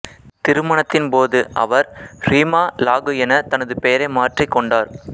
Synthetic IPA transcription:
t̪ɪɾɯmɐɳɐt̪ːɪnpoːðɯʔɐ̰ʋɐɾriːmaːlaːɣɯɛnɐt̪ɐnɐðɯpeːɾɐɪmaːʈrɪkːɔɳɖaːɾ

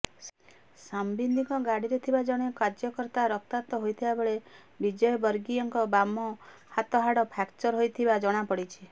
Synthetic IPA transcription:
sambind̪ʱiŋkɔɡaɽiɾet̪ʰibad͡ʒɔɽ̃ekaɾd͡ʒjɔkɔɾt̪aɾɔk̚t̪at̪ɔɦojt̪ʰibabeɭe | bid͡ʒɔjɔbɔɾɡiɔŋkɔbamɔhat̪ɔɦaɽɔpʰakt͡ʃɔɾɦojt̪ʰibad͡ʒɔɽ̃apɔɽit͡ʃʰi

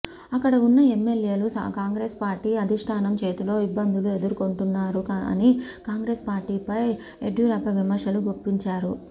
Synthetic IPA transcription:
ɐkːɐɽɐunːɐemːe̞lje̞ːlusɐ̰kaːŋɡɾe̞ːspaːɾʈiːɐd̪ʱiʂʈʰaːnɐmt͡ʃeːt̪ulo̞ːibːɐnd̪ʱulue̞d̪uɾukoɳʈunːaːɾuɐ̰nikaːŋɡɾe̞ːspaːɾʈiːpɐj | eɖjuɾɐpɐʋimɐɾʂɐluɡopːiɲt͡ʃaːɾu

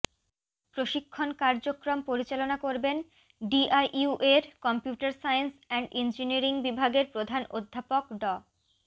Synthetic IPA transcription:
pɾoʃikʰːonkaɾd͡ʑokɾompoɾit͡ɕalonakoɾben | ɖiʔajʔuʔeɾkɔmpjuʈaɾsajensɛɳɖind͡ʑiniɾiŋbibʱaɡeɾpɾod̪ʱanod̪ʱːapokɖɔ

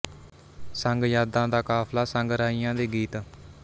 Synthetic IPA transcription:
səŋɡjaːd̪ãːd̪aːkaːpʰlaːsəŋɡɾaːiːãːd̪eːɡiːt̪

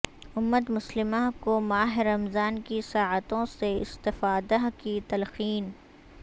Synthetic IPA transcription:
ʊmːət̪mʊslɪmãkomaːɦɪɾːɐmzaːnkisaːət̪õseɪ̰st̪ɪfaːd̪akit̪ɐlxiːn

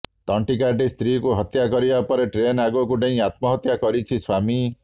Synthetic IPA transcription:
t̪ɔɳʈikaɾɖist̪ɾikuɦɔt̪jakɔɾibapɔɾeʈɾenaɡɔkuɖeĩat̪̚mɔɦɔt̪jakɔɾit͡ʃʰiswami

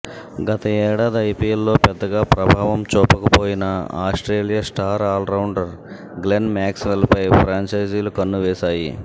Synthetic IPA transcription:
ɡɐt̪ɐɛːɽaːd̪iɐjpiːlːo̞ːpɛd̪ːɐɡaːpɾɐbʱaːʋɐmt͡ʃɔːpɐkɐpo̞ːjinɐa̰ːsʈɾeːlijasʈaːɾaːlɾɐwɳɖɐɾ | ɡlenmaːksʋelpɐjpʰɾaːɲt͡ʃɐjd͡ʒilukɐnːuʋɛːsaːji

